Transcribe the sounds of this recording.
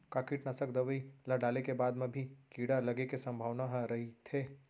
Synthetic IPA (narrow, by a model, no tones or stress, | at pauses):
kaːkiʈnɐsəkd̪ɐʋəilaɖaːlekebaːd̪mẽbʱikiːɽalɐɡekesɐ̃mbʱaːʋnaɦɾɐɦit̪ʰeː